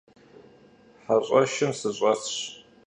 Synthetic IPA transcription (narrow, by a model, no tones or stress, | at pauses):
ħaɕʷʼɐʃɪmsɨɕʼɐt͡sɕ